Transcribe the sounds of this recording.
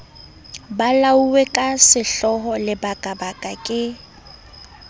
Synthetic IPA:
balauwɛkʼasɪɬɔɦɔlɪbakʼabakʼakʼɪ

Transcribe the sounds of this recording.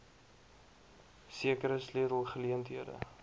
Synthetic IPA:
siəkəɾəsliəɾəlˠχəliəntɦiədə̰

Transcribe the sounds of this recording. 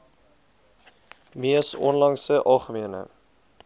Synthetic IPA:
miəsɔ̰nlɑŋsəʔɑːχəmiənə̰

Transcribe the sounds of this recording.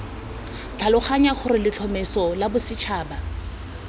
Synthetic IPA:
t͡ɬʰalʊχaɲaχʊrɪlɪt͡ɬʰɔmɛsɔlabʊsɪt͡ʃʰaːba

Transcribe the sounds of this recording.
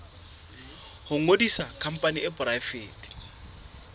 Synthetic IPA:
hʊŋ̩odisakʰam̩pʼaniʔɪbʊrafeːtʼi̥

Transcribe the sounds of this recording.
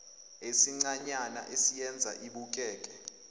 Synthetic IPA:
esiŋ͡ǀaɲana̰ʔesijɛnd͡zʱa̰ʔiɓuk̬ʼɛːkʼɛ

